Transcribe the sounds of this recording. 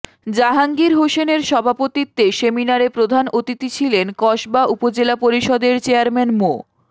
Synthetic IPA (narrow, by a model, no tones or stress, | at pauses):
d͡ʑaɦaŋɡiɾɦoʃeneɾʃɔbʱapot̪it̪ːeʃeminaɾepɾod̪ʱanʔot̪it̪it͡ɕʰilenkɔʃbaʔupod͡ʑelapoɾiʃɔd̪eɾt͡ɕeaɾmenmo